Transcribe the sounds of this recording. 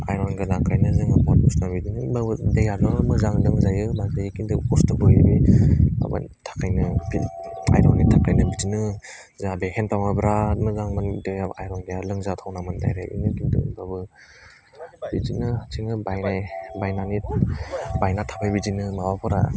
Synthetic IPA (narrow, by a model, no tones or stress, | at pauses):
a̰jɾɔnɡenakʰajnɯzɯŋabɔt̚ɔsnabidinɯbabɯdejanɯmɯzaŋlɯŋzajɯnazajkindɯkɔstabɯja̰bia̰ba̰tʰḁkʰajnɯbia̰jɾɔnitʰakajnɯbizinɯ | zabehentawabɾatmɯzaŋmandejaajɾɔnɡejalɯŋzatʰawnamɯnda̰jɾa̰ḭnɯkindɯ̰babɯ | bizinɯt͡ʃʰiŋɯbajnajbajnani | bajnatʰapʰajbid͡ʒinɯmabapʰɔɾa̰